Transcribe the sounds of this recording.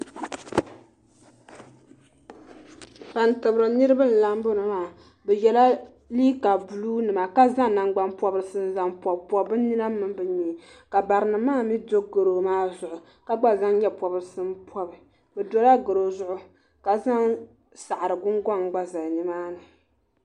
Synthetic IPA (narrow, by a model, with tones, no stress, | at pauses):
pa˨n˨tɨ˨bɾɨ˨nɨ˦ɾɨ˦bɨ˦n̩˨la˦mbo˦nɨ˨maː˨ | bɛ˨jɛ˨la˦ | liː˦ka˨bu˨luː˦nɨ˨ma˨ka˦za˦ŋna˨ŋɡ͡ba˦npɔ˦bɨ˦sɨ˦n˦za˨mpɔ˨bpɔ˨˦bɨ˦ni˦na˦mɨ˨mbɨ˨ɲi˨ | ka˨ba˨ɾɨ˨nɨ˨maː˦mi˦do˦ɡɨ˨ɾo˨maː˦zʊ˨ʔʊ˨ | ka˦ɡ͡ba˦za˦ŋ˦ɲɛ˦pɔ˨bɨ˦ɾɨ˦sɨ˦mpʰɔ˦bɨ˨ | bɛ˨do˦la˦ɡɨ˨ɾo˨zʊ˦ʔʊ˨ | ka˨za˦ŋ | sa˨ʔa˨ɾɨ˨ɡʊ˦ŋɡɔ˦ŋ˦ɡ͡ba˦za˨ni˦maː˦nɨ˨